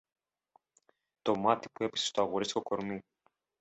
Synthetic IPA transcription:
t̪o̞mɐt̪ipue̞pi̥sest̪oɐɣoɾisi̥ko̞ko̞ɾmi

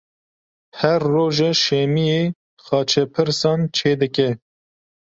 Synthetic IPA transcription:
hɛɾːoːʒɛʃɛmijeː | xɑːt͡ʃʰɛpʰɨɾsɑːnt͡ʃʰeːd̪ɨkɛ

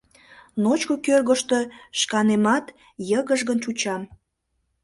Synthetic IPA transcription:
not͡ɕkokørɣəʃt̪oʃkɑnemɑt̪ | jəɣəʒɣənt͡ʃut͡ɕɑm

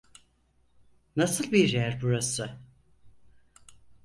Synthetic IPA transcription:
nasɯlˠbiɾjæɾbuɾasɯ

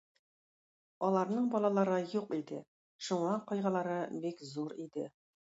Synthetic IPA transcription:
ɒlˠɑɾnɤɴbɒlˠɑlˠɑɾɤjuqid̪ɘ̰ | ʃuɴɑqɒjʁɑlˠɑɾɤbikzuɾid̪ɘ

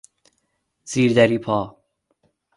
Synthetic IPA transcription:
z̥iːɾd̪æɾiːpʰɒː

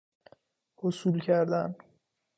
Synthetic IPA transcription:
hosulcʰæɾd̪æn

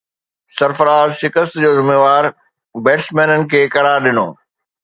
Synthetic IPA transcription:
sɐɾfəɾaːzʃɪkəst̪d͡ʑoːzɪmeːʋaːɾ | bɛːʈsmɛːnənɪ̆kʰeːkɐɾaːɾɗɪno̰ː

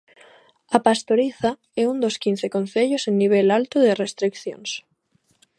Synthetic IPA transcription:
apast̪oɾiθa | ɛund̪oskin̟θekonθeʎosenːiβ̞elalt̪oðerest̪ɾikθjo̰ns

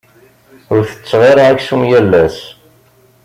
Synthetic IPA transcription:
ʊɾθə̥t͡sːʁɑɾaʁæçsumjælːæs

